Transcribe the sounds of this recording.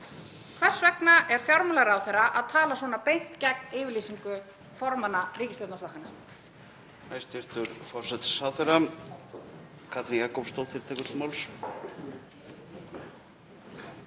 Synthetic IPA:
kʰvɛr̥svɛknaʔɛɾ̥fjawɾmlɛɣɾawθejɾaʔaðt̪ʰaːlasvɔːnapejn̥t̪cɛknɪːvɪɾliːsiŋkʏ | fɔɾmanariːcɪslat̪nast̪vahkana | ajst̪ɪɾ̥t̪ʏɾfɔr̥sɛt̪saθeɾa | kʰat̪nikakowfst̪owt̪ʰɪɾ̥t̪ʰɛːkʏmawls

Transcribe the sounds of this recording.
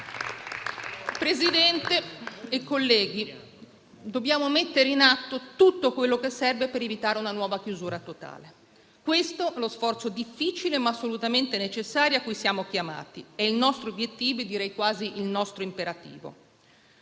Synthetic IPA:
pɾezid̪ɛnt̪eːkːolːɛːɡi | d̪objaːmomet̪ːeɾeinat̪ːot̪ut̪ːokwelːokesːɛrvepeɾevit̪aːɾeunanwɔːvak̟juzuːɾat̪ot̪a̰ːle | kwest̪oɛlosfɔrt̪sod̪ifːit͡ʃilemaːsːolut̪ament̪enet͡ʃesːaːɾjoakːujsjaːmok̟jama̰ːt̪iɛilnɔst̪ɾoobjet̪ːiːvoed̪iɾɛjkwaːziʔilnɔst̪ɾoimpeɾat̪ḭːvo̰

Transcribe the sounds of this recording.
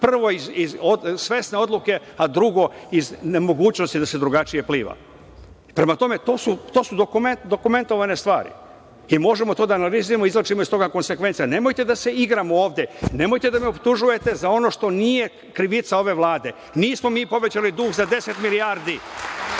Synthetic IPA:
pr̩ʋo̞izizosʋe̞sne̞o̞d̪luke̞ | ad̪ɾuɡo̞izne̞mo̞ɡuːt͡ɕno̞st̪id̪ase̞d̪ɾuɡat͡ʃije̞pliːʋa̰ | pɾe̞mat̪o̞me̞t̪o̞ːsut̪o̞ːsud̪okumed̪o̞kume̞nt̪o̞ʋane̞st̪ʋa̰ːɾḭ | imo̞ʒe̞mo̞t̪o̞ːd̪aːnalizuje̞moizlot͡ʃimoist̪o̞ɡako̞nse̞kʋe̞nt̪sjane̞mo̞jt̪e̞d̪ase̞iɡɾamooːʋd̪je̞ne̞mo̞jt̪e̞d̪ameopt̪uʒuje̞t̪e̞zao̞no̞ʃt̪o̞niːje | kɾiʋit̪sao̞ʋe̞ʋlaːd̪e̞ | niːsmo̞miːpo̞ʋe̞t͡ɕalid̪uːxzad̪e̞se̞t̪milijaɾd̪i

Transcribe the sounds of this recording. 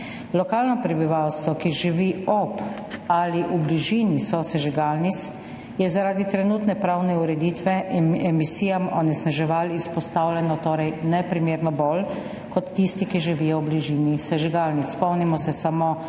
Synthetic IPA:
lɔkaːlnɔpɾɛbiʋawst̪ʋɔkiʒiʋiɔp | aliʔubliʒiːnisɔsɛʒiɡalnit̪s | jɛzaɾaːd̪it̪ɾɛnuːt̪nɛpɾawnɛuɾɛd̪iːt̪ʋɛɛmisiːjamɔnɛsnaʒɛʋalispɔst̪awlʲɛnɔt̪oːɾɛjnɛpɾimeːɾnɔbɔl | kɔt̪ːist̪ikiʒiʋiːjɔwbliʒiːnisɛʒiɡaːlnit̪spɔwnimɔsɛsamo

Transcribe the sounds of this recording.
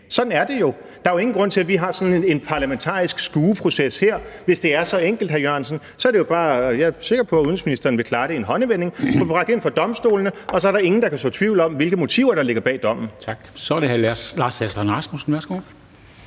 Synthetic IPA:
sɒ̽d̥n̩æɐd̥e̝jo̝ | d̥ɑ̈jo̝e̝ŋn̩ɡʁɔ̽n̰t͡sʰe̝læʋiɦɑ̈sɒ̽nn̩e̝npʰɑ̈læment͡sʰɑ̰̈ːisɡ̥sɡ̥uːpʰʁo̝sesheɐ̰ʋe̝sd̥e̝æɐsɒ̽eŋ̰ɡ̥l̩d̥hæɐjøɐnsən | sɒ̽æɐɾejo̝b̥ɑ̈ːjɑse̝ɡ̥ɐpʰɒ̽æuðˠən̩sminisd̥ɐːnʋe̝kʰlɑ̈ːɾ̥e̝enɦɒ̽nəʋene̝ŋfɒb̥ʁɑ̈ɡ̥̚d̥e̝n̰fɒ̽d̥ɒ̽msd̥o̝̰ːlnəʔɒ̽sɒ̽æɐɾɑ̈e̝ŋn̩d̥ɑ̈kʰæstɔ̰ːt͡sʰʋiʊ̰lɒ̽mʋe̝lɡ̥əmo̝t͡sʰḭʊ̰ɐɾ̥ɑ̈le̝ɡ̥ɐb̥ɛ̰ːd̥ɒ̽m̰n̩t͡sʰɑ̈ɡ̥sɒdehælæslɑ̈ːsæslɑnʁɑ̈smusn̩ʋæɐsɡ̥o

